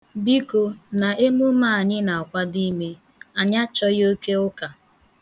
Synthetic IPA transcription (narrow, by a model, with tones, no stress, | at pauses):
bi˦ko˨na˨ʔe˦mu˦ma˦˨a˨ɲɪ˦na˨kʷa˦di˦me˦ | a˨ɲa˦t͡ʃɔ˦jo˦ke˦ʊ˦ka˨